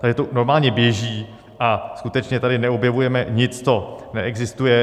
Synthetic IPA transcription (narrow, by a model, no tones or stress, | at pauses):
t̪aɡɛt̪ono̞ɾmaːlɲɛbjɛʒiː | ʔaskut̪ɛt͡ʃɲɛt̪adɪnɛo̞bjɛvujɛmɛɲɪt͡st͡sonɛʔɛɡzɪst̪ujɛ